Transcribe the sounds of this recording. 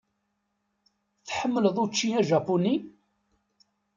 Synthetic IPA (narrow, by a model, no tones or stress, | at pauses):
θħəmːələðˤut͡ʃːiæʒɑpuni